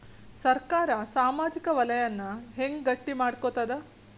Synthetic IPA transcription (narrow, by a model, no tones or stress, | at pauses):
sɐɾkaːɾɐsaːmaːd͡ʒikɐʋɐlɐjɐnːɐɦeŋɡɡɐʈːimaːɽkot̪ɐd̪ɐ